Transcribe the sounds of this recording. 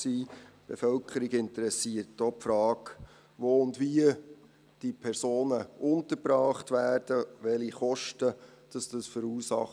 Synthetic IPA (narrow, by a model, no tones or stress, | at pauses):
siːb̥efœlkʰχəɾiɡɪntəɾɛsiərtdoːpfɾɑːk | ʋoːʊndʋiə | d̥ipʰɛrsoːnəʊntəɾbɾɑːχtʋæːrd̥əʋɛliχɔʃtəd̥ɑsd̥ɑsfəɾuːsɑ̰χ